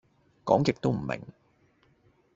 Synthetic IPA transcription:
kɔː˨˥ŋkɪ˨k̚t̪o˥wm̩˨˩mɪ̰˨˩ŋ

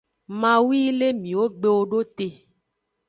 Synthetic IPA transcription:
mã˨wi˦le˦mĩ˨wo˦ɡ͡be˦wo˨ɖo˦t̪e˨

